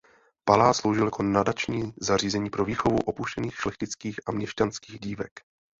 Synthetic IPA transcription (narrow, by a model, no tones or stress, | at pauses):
palaːslowʒɪljako̞nadat͡ʃɲiːzariːzɛɲiːpɾo̞viːxo̞vṵʔopuʃcɛniːxʃlɛxcɪt͡skiːxʔamɲɛʃcanskiːɣɟiːvɛ̰k